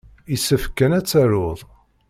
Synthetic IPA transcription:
isəfkænæt͡sːaɾʊðˤ

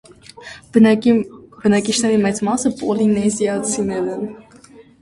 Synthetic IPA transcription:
bənɑkit͡ʃʰnɛɾimɛt͡smɑsəpɔlinɛzjɑt͡sʰinɛɾɛn

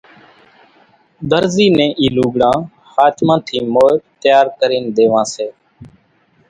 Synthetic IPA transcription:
d̪əɾziːnẽːʔiːluːɡɽãː | haːt̪ʰmãːt̪ʰiːmoːt̪jaːɾkəɾiːnd̪eːʋãːseː

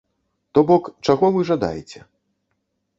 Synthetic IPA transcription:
t̪ɔbɔkt͡ʂaɣɔvɨʐad̪a̰jɛt͡sʲɛ

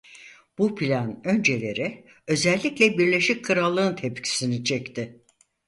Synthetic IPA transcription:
b̥upʰilʲanø̞nd͡ʒe̞lʲe̞ɾɪ | ø̞zɛlʲːiclʲɛbiɾlʲe̞ʃickʰɯɾalˠːɯːnt̪ʰepcʰi̥sinit͡ʃʰɛct̪ʰɪ

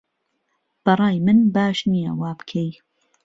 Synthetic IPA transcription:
b̥ɐrˤɑːjmɨnbaːʃnijɐ̰waːbkʰej

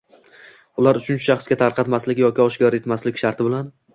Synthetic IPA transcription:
ʊlˠaɾʊt͡ʃʰʊnt͡ʃʰḁʃɑχsɡʲat̪ʰaɾqʰɑt̪maslɪkʲjɒkʲɪɒʃɡɒɾe̞t̪maslɪkʲʃaɾt̪ʰɪbɪlan

